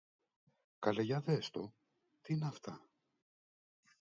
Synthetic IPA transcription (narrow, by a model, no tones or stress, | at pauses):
kɐleʝɐðest̪o | t̪iineɐft̪ɐ